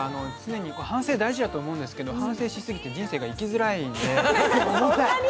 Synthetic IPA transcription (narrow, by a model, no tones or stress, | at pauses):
ano̞t͡sɨne̞ɲ̟ikoːhãɰ̃se̞ːd̪aiʑid̪at̪o̞ːmo̞ɯ̃nd̪esɨ̥ke̞d̪ohãse̞ːɕisɨɡʲit̪e̞d͡ʑĩɰ̃se̞ːɡaikʲizɨɾaind̪e̞koomosai